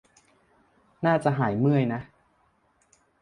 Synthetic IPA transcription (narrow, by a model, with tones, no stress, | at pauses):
naː˥˩t͡ɕa˨˩ʔɦaː˩˦jmɯ˥˩əjna˦˥